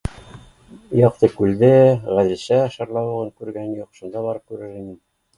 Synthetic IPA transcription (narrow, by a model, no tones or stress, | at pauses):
jɑq̚t̪ɤkʉld̪ɘʁæðɘ̆ɕæʃɑ̆ɾlˠɑwɤʁɤŋkʉɾɡænjuqʃund̪ɑβɑɾɤp̚kʉɾɘɾimin